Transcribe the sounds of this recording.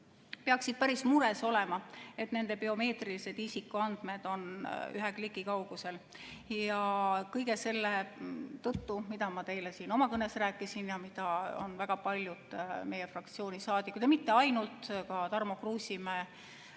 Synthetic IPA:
peɑksid̪̥̚pæɾismuɾe̞so̞le̞mɑe̞t̪ne̞nd̪̥e̞beo̞me̞ːt̪rilise̞d̪isikːˑuɑnd̪̥me̞d̪̥o̞ny̰ɦekliɡikɑwɡ̥use̞l | jɑkɤjɡe̞se̞lːet̪ɤt̪ːumid̪̥ɑmɑt̪e̞jlesiːno̞mɑkɤnesræːkˑːisinjɑmid̪̥ɑo̰nvæɡ̥ɑpɑlʲjud̪̥me̞jefrɑkt̪sio̞ːnisɑːd̪̥ikud̪jɑmit̪ːe̞ɑjnult̪kɑt̪ɑrmokruːsʲimæː

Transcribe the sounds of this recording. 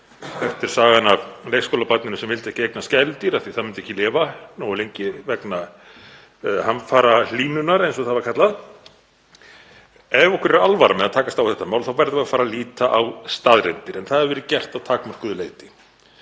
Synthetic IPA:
kɛft̪ɪɾ̥saːɣanavlejxskowlapat̪nɪnʏsɛmvɪlt̪ɛhcɪvɛknascɛlt̪ɪɾaθiθaðmɪnt̪ɛhcːɪlɪːvanoːwlejɲcɪvɛkna | hanfaːɾaliːnʏnaɾejnsɔθaðvḁɾkʰat̪lað | ɛvɔhkvɪɾɛɾalvaɾamɛðat̪ʰaːkast̪awθɛht̪ːamaːwlθawvɛjɾðvaafaːɾaliːt̪aʔawst̪aːðɾɛnt̪ɪɾɛnθaðɛɾvɛːɾɪcɛr̥t̪aðt̪ʰaːkmar̥kʏðʏleːjt̪ɪ̥

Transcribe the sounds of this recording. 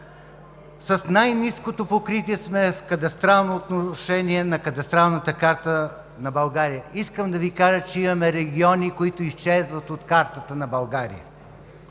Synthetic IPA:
sɐsnajniskot̪opokɾit̪iɛsmɛfkɐt̪ɐst̪ɾalˠnoːt̪noʃɛniɛnɐkɐt̪ɐst̪ɾalˠnət̪əkaɾt̪ə | nɐbɐlˠɡaɾijəiskəmd̪ɐvikaʒət͡ʃɛimɐmɛɾɛɡʲiɔnikoit̪ʊist͡ʃɛzvɐt̪ot̪kaɾt̪ət̪ənɐbɐlˠɡaɾḭjə̰

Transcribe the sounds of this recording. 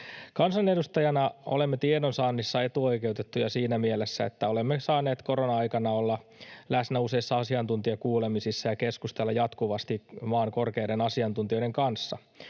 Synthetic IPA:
kɑnsɑne̞dust̪ɑjɑnɑo̰lemːet̪iedonsɑːnːisːɑe̞t̪uojke̞wt̪et̪ːujɑsiːnæmielesːæet̪ːæolemːesɑːneːt̪ko̞ɾonɑɑjkɑnɑolːɑlæsnæuse̞isːɑɑsiɑnt̪unt̪iɑkuːlemisisːɑjɑke̞skust̪elːɑjɑt̪kuʋɑst̪imɑːŋko̞rkeːdenɑsiɑnt̪unt̪io̞iɾeŋkɑnsːɑ

